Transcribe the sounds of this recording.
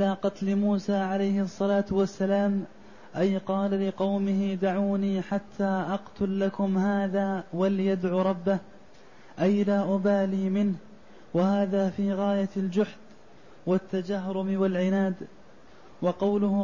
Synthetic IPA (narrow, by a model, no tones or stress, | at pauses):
alaːqɑt̪lɪmuːsaːʕalajhɪɑsˤːɑlaːt̪wasːalaːm | ʔajqɑːlalɪqɑwmɪhɪd̪aʕuːniːħat̪ʰːaːʔɑqt̪ʊlːakʊmhaːðaːwaljad̪ʕuːɾˤɑbːah | ʔajlaːʔʊbaːliːmɪnh | wahaːðaːfiːɣaːjald͡ʒʊħd̪ | wat̪ːad͡ʒaɦɾʊmɪwalʕɪnaːd̪ | wɑqɑwlʊ